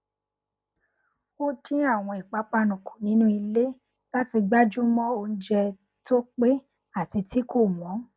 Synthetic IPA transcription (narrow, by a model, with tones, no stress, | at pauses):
o˦tĩ˦a˦˨w̃ɔ̃˧i˨k͡pa˨˦k͡pa˧nũ˨kʰu˨nĩ˨˦nũ˦i˧le˦ | la˦ti˧ɡ͡ba˦d͡ʒu˦mɔ̃˦o˧n̩˦d͡ʒɛ˧ | to˦k͡pe˦ | a˦˨ti˧ti˨˦ko˦˨mɔ̃˨˦